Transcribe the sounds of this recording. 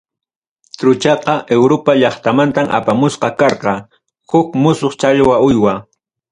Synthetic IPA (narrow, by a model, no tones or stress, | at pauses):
t̪ɾʊt͡ʃɑqɑʔewɾopaʎɑχt̪amant̪amʔa̰pamʊsqɑkɑɾqɑ | hʊkmʊsoχt͡ʃaʎwaʊjwa